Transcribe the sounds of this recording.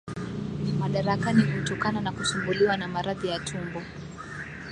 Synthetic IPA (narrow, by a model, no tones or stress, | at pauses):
maɗaɾakanihutɔkananakuʃumbuliwanamaɾaðijatʰumbɔ